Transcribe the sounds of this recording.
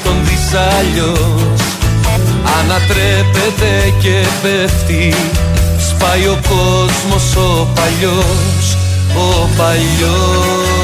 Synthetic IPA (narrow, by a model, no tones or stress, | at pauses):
t̪o̞nðizɐʎos | ɐnɐt̪ɾepet̪e̞ce̞ | veft̪i | spɐjo̞ko̞ | zmo̞so̞ | pɐʎo | s | o | pɐʎ | o